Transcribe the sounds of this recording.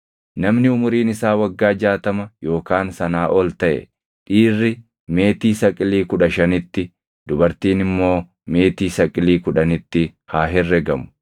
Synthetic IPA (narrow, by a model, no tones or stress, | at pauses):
nɐmnɪʊmʊɾiːnɪsaːwɐɡːaːd͡ʒaːt̪ɐmɐjo̞ːkaːnsɐnaːʔɔlt̪ɐʔɛ̰ | ᶑiːrːɪ | me̞ːt̪iːsɐkʼɪliːkʊᶑɐʃɐnɪt̪ːɪ | d̪ʊbɐɾt̪iːnɪmːo̞ː | me̞ːt̪iːsɐkʼɪliːkʊᶑɐnɪt̪ːɪhaːɦɛrːɛɡɐmʊ̥